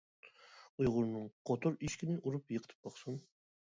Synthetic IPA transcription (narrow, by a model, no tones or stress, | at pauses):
ujʁʊɾnɨŋqʰot̪ʰʊɾiʃkʲinɪʔuɾupjəqʰət̪ʰɨ̥p̚bɑχsun